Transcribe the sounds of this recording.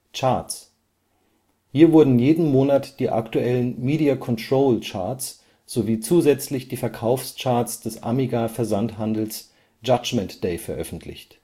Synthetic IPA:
t͡ʃaɐt͡s | hiːɐvʊɐdn̩jeːdn̩moːnatd̥iːʔa̰ktuʔɛlənmiːdiakʰɔntʁ̥oːlt͡ʃaɐt͡s | z̥oviːt͡suːzɛt͡slɪçd̥iːfɛɐkʰaʊfst͡ʃaɐt͡sd̥ɛsʔa̰miɡafɛɐzantɦandl̩s | d͡ʒad͡ʒmɛntd̥eɪfɛɐʔœ̰fn̩tʰlɪ̰çt

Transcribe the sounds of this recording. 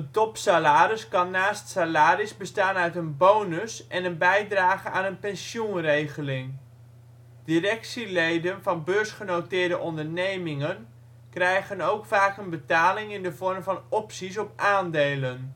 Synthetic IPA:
ətɔpsalaːɾɪskɑnːaːstsalaːrɪsbəstaːnœɥtənbownəsʔɛnənbɛjdraːχəaːnənpɛnsjunrejχəlɪŋ | dirɛksilejdənvɑnbøːɹsχənowtɪːɹdəʔɔndəɹnejmɪŋən | krɛjχənowkfaːkənbətaːlɪŋɪndəvɔɹmvɑnɔpsis̬ɔpʔaːndejlən

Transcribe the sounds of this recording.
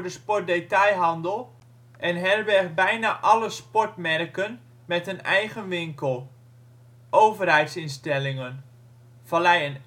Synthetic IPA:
dəspɔrt̚detajɦɑndəlˠ | ʔɛnɦɛrbɛxbɛjnaʔɑləspɔɹtmɛrkən | mɛtənɛjɣənʋɪŋkəlˠ | ʔowvərɦɛjtsɪnstɛlɪŋən | fɔlɛjən

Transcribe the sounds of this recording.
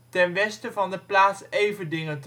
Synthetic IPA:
tɛnʋɛstəvɑndəplaːtsejvəndɪŋənt

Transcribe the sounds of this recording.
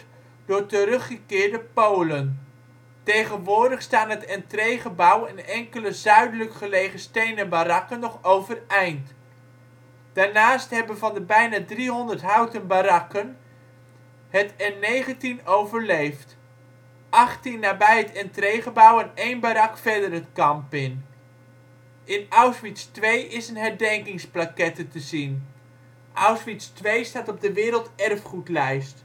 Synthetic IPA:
d̥ʊːɹtəɾɵχəkɪːɹdəpowlən | tejχənʋʊːɹdəχstaːnɦətɛntrejχəbʌwɪnɛŋkələzœɥdələkχəlejχəstejnənbaɾɑkənːɔχowvərɛjnt | d̥aːɹnaːstɦɛbənvɑndəbɛjnaːdriɦɔndəɹtɦœwtənbaɾɑkən | hətɛnːejχəntinowvəɹlejft | ʔɑχtinːaːbɛjətɛntrejχəbɑwənejnbaɾɑkfɛɹdərɦətkɑmpɪn | ɪnawsʋitstʋejʔɪsənɦɛɹdɛŋkɪŋsplakɛtətəzin | ʔawsʋitstʋejstaːtɔb̚dəʋɪːɾəlˠtɛrfχutlɛjst

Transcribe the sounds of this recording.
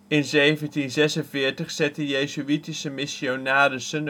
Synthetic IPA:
ɪnzejvəntinzɛsənvɪːɹtəχsɛtəjeːzyitisəmɪsonaːdəsən

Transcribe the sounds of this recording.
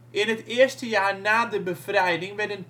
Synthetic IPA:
ʔɪnətɪəɹstəjaːɹnaːdəbəfrɛjdɪŋʋɛdən

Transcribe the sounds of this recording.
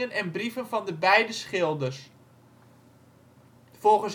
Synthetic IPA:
ənɛnbrivənvɑndəbɛjdəsχɪlˠdərs | folˠɣəns

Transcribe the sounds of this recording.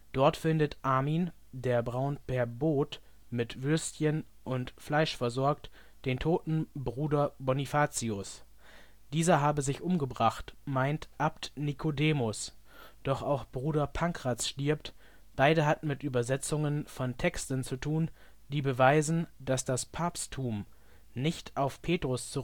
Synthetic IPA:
d̥ɔɐtfɪndətʔaːmiːn | deːɐbʁaʊnpʰɛɐboːt | mɪtv̥ʏɐstçən | ʔʊntflaɪʃfɛɐzɔɐkt | d̥eːntʰoːtn̩bʁuːdɐbɔnifaːt͡siʊs | d̥iːzɐɦaːbəzɪçʔʊmɡəbʁaχtmaɪntʔaptnikʰodeːmʊs | d̥ɔχaʊxb̥ʁuːdɐpʰaŋkʁ̥at͡sʃtɪɐp̚t | b̥aɪdəɦatn̩mɪtʔyːbɐzɛt͡sʊŋənfɔntʰɛkstn̩t͡sutʰuːn | d̥iːbəvaɪzn̩d̥asd̥aspʰaːpstʰːuːm | nɪçtʔaʊfpʰeːtʁ̥ʊst͡suʁ

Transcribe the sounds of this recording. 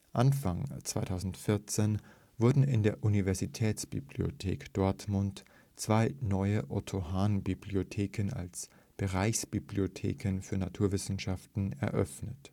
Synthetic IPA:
ʔanfaŋt͡sv̥a̰ɪtʰaʊzn̩tfɪɐt͡seːn | vʊɐdn̩ɪndeːɐʔunivɛɐzitʰɛːt͡sb̥ḭblio̰tʰḛːkd̥ɔɐtmʊnt | t͡sv̥aɪnɔʏəʔɔtʰohaːnbibliotʰeːkʰəna̰ls | b̥əʁaɪçsb̥ibliotʰḛːkənfyːɐnatʰuːɐvɪsn̩ʃaftn̩ɛ̰ɐʔœ̰fnət

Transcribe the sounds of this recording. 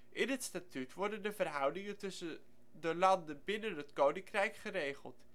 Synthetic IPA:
ʔɪnɦətstatytʋɔɹdəndəvərɦʌwdɪŋəntɵsən | dəlɑndənbɪnənɦətkownɪŋkrɛjkχərejχəlˠt

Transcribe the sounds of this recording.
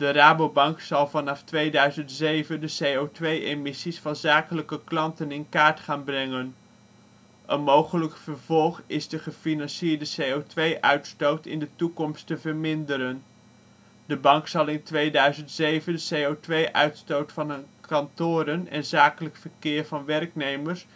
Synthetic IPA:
d̥əraːbowbɑŋksɑlˠvɑnɑftʋejdœɥzəntzejvəndəsejowtʋejemɪsisfɑnzaːkələkəklɑntənɪnkaːɹtχaːnbrɛŋən | ʔənmowχələkfəɹv̥ɔlˠχɪzdəχəfinɑnsɪːɹdəsejowtʋejʔœɥtstowtɪ̰ndətukɔmstəvəɹmɪndəɾən | dəbɑŋksɑlˠɪntʋejdœɥzəntsejvəndəsejotʋejʔœ̰ɥtstowtfɑnkɑntʊːɾənɛ̰nzaːkələkfəɹkɪːɹvɑnʋɛrknejməɹs

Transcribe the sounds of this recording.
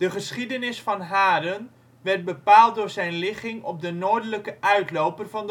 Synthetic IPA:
d̥əχəsχidənɪsfɑnɦaːdən | ʋɛɹt̚bəpaːlˠt̚dʊːɹzɛjnlɪχɪŋɔp̚dənoːɹdələkəʔœɥtlowpərvɑnd

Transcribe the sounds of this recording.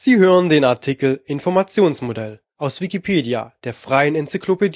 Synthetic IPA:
z̥iːɦøːʁəndeːnaɐtʰikl̩ɪnfɔɐmat͡sjoːnsmodɛl | ʔaʊsv̥ikipʰeːdia̰d̥eːɐfʁ̥aɪənɛnt͡sikʰlopediː

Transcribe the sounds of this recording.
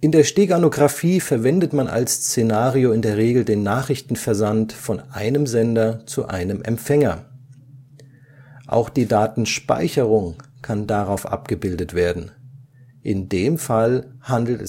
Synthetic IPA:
ʔɪndeːɐʃteːɡanoɡʁafiːfɛɐvɛndətmanʔa̰lst͡senaːʁioɪndeːɐʁ̞eːɡl̩deːnːaːχʁ̥ɪçtn̩fɛɐzantfɔnʔaɪnəmzɛndɐt͡suʔa̰ɪnəmʔɛ̰mfɛŋɐ̰ | ʔa̰ʊxd̥iːdaːtn̩ʃpa̰ɪçəʁ̞ʊŋkʰandaʁaʊfʔa̰pɡ̥əbɪldətv̥eːɐdn̩ | ʔɪndeːmfalhandl̩tɛ

